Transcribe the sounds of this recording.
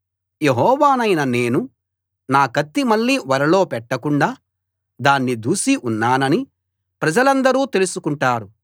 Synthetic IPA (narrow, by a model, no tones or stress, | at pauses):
je̞ɦɔːʋaːnɐjnɐne̞ːnu | naːkɐt̪ːimɐɭːiːʋɐɾɐlo̞ːpɛʈːɐkuɳɖaː | d̪aːnːid̪uːsiʔunːaːnɐni | pɾɐd͡ʒɐlɐnd̪ɐɾuːt̪e̞lusukuɳʈaːɾu